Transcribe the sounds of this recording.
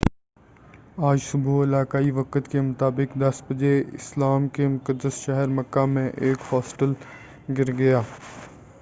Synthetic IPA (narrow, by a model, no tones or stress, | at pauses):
aːd͡ʒsʊbuɪlaːkaːiʋɐkət̪kemʊt̪aːbɪkd̪ɐsbəd͡ʒeɪ̰slaːmkemʊkəd̪ːəsʃɐɦəɾməkːamẽʔeːkhɔːsʈəl | ɡɪɾɡɐjaː